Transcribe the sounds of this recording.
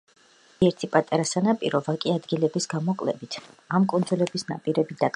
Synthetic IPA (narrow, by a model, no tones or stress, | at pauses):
iɛɾt̪ʰipʼat̪ʼaɾasanapʼiɾɔvakʼiad̪ɡilɛbisɡamɔkʼlɛ̰bit̪ʰamkʼund̪zulɛbisna̰pʼiɾɛbid̪at̪ʼ